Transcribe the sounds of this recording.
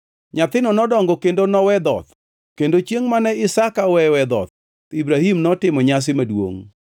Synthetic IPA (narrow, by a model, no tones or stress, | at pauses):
ɲat̪ɪnɔnɔdɔŋɡɔkendonɔwɛd̪ɔ̰t̪ | kendot͡ʃjeŋmanɛɪsakawɛwɛd̪ɔ̰t̪̚ | ibɾahimnɔtɪmɔɲas̬ɪmadwo̰ŋ